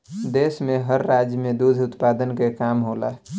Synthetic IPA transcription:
d̪eːsmẽɦəɾːaːd͡ʒjəmẽd̪ud̪ʱʊt̪paːd̪ənkekaːmɦoːla̰ː

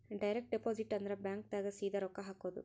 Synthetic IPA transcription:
ɖɐjɾɛk̚ʈ̚ɖɛpoːsiʈːɐnd̪ɾɐbjaːŋk̚t̪aɡɐsiːd̪ɐɾɔkːɐɦaːkːod̪ɯ̰

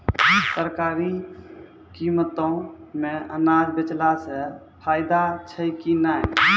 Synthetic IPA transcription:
səɾkaːɾi | kimət̪õmẽʔənaːd͡ʒbɪt͡ʃlasə | pʰaːɪd̪at͡ʃʰəikinaːi

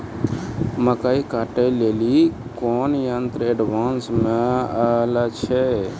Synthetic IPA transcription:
məkaikaʈəjleli | koːnjənt̪ɾeɖʋaːnsmẽalat͡ʃʰe

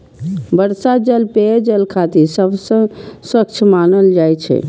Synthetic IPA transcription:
bəɾsad͡ʒəlped͡ʒəlkʰat̪isəbsə̃swək̚t͡ʃʰmanəld͡ʒajt͡ʃʰɛ̰

